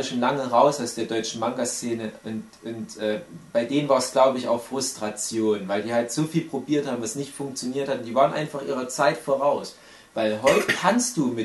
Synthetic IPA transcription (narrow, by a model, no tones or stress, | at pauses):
ʃoːnlaŋəʁaʊsaʊsd̥eːɐdɔʏt͡ʃn̩maŋɡast͡seːnəʔʊnt | ʔʊntʔɛːb̥aɪdeːnənvaːɐɛsɡ̥laʊbəɪça̰ʊxfʁ̥ʊstʁ̥at͡sjoːnvaɪldiːhaltz̥oːfiːlpʁ̥obiːɐthaːbm̩vasnɪçtfʊŋk̚t͡sjoniːɐthatnd̥iːvaːʁənʔa̰ɪnfaχʔiːʁɐt͡saɪtfoːʁaʊs | vaɪlɦɔʏtəkʰanst̚d̥uːmɪ